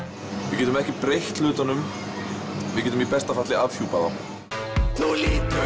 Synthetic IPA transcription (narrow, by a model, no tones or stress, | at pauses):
vɪcɛːt̪ʏmɛhcɪpɾejht̪lʏːt̪anʏm | vɪðcɛːt̪ʏmipɛst̪afat̪lɪavfjuːpaða̰ | lolɪt̪